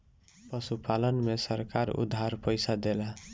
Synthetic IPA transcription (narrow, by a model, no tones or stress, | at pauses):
pəsupalənmesəɾkaɾṵd̪ʱːaɾpəjsad̪ela